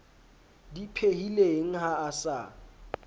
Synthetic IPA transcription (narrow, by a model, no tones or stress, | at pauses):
dipʰehileŋ̩ɦaːsa̰